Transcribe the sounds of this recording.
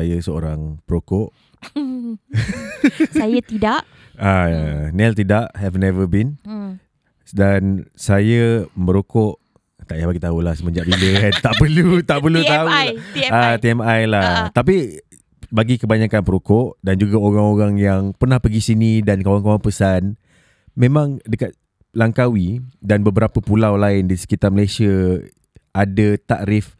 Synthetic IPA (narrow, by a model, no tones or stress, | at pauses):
ajasəoɾaŋpəɾokɔʔ | sajat̪idaʔ | anɛlt̪idaʔhɛfnɛvəbin | dansajəməɾokɔʔ | t̪aʔjabaɡit̪aulahsəmə̃ɲd͡ʒaʔbiləant̪aʔpəlut̪aʔpəlut̪auat̪iɛmajlaht̪ap̬i | baɡikəbaɲakanpəɾokɔʔdand͡ʒuɡaoɾaŋoɾaŋjaŋpərnahpəɡisinĩdankawankawanpəsan | mẽmãŋdəkat̪̚ | laŋkawidanbəbəɾapəpulawlaɪndisə̥kit̪arməlesiə | adət̪aʔɾɪf